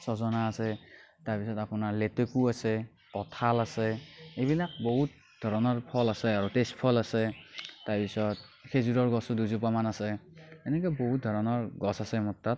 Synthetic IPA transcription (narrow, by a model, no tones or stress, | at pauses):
sɔzɔnaːsɛtaɹpisɔtapʊnaɹletekuasɛ | kɔtʰalasɛeβilak̚boɦut̚ | dʱɔɹɔnɔɹpʰɔlasɛaɹutestpʰɔlasɛtaɹpisɔt̚ | kezuɹɔɹɡɔsduzupamanasɛɛnɛk̬ɔjbɔɦut̚dʱɔɹɔnɔɹɡɔsasɛmɔtːat̚